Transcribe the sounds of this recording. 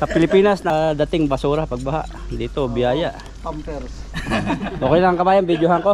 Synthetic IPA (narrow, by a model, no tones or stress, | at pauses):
sɐpɪlɪpiːnɐsnɐd̪ɐt̪ɪŋbɐsuːɾɐpɐɡ̚bɐha̰ʔ | d̪iːt̪obɪjaːjaʔ | mpɛɾ | ʔoːkɛjnɐŋkɐbaːjaŋbid̪joɦaŋko